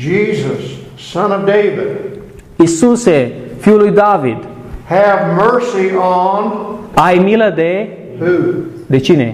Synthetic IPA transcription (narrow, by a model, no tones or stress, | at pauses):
d͡ʒizəsː | ʌ̃nʌvdeɪvɪd̥̚ | isusefilujd̪avid̪ | hɨvmɜ˞siənajmiləd̪e | hu | d̪et͡ʃinḛ